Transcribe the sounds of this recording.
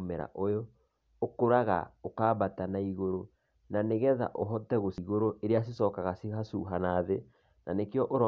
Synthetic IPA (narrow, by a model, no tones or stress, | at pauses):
mɛɾa̰ʔojo | okoɾaɣa̰okaːbatanaiɣoɾo | naneɣɛða̰ʔoɦɔtɛɣosiɣoɾoʔeɾeas̬isɔːkaɣasehasuɦanaːðe | nanekeɔʔoɾɔ